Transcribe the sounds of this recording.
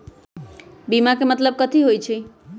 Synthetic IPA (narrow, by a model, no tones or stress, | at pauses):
bimakemət̪ləb̚kət̪ʰiɦojt͡ʃʰi